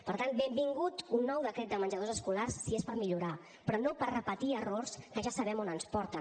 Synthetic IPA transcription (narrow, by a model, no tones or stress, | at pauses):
pəɾt̪anbembiŋɡut̪unːɔwðəkɾɛt̪̚d̪əmənʲd͡ʒəð̞ozəskularsːiespəɾmiʎuɾa | pɾɔnopərrəpət̪iərorskəʒasəβɛmonənspɔɾt̪ə